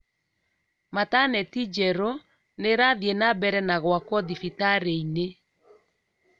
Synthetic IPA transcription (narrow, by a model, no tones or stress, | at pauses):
matanɛtid͡ʒɛɾo | neɾaðjenabɛɾɛnaɣwakwɔðifitaɾeine